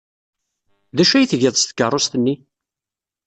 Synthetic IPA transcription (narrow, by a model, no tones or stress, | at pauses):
ðæʃæjθʝɪðˤst̪ə̥kːərˤːost̪ənːi